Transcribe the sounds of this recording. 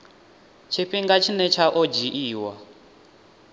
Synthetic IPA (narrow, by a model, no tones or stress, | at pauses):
t͡ʃʰiɸiŋɡat͡ʃʰinɛt͡ʃʰaʔɔd͡ʒiʔiːwa